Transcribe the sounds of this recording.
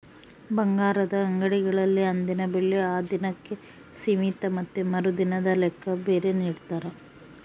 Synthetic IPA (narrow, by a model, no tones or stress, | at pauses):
bɐŋɡaːɾɐd̪ɐːŋɡɐɽiɡɐɭɐlːiɐnd̪inɐbiɭːiaːd̪inɐkːe | simit̪ɐmɐt̪ːumɐɾud̪inɐd̪ɐlɛkʰːɐbeːɾe̞niːɽt̪aːɾe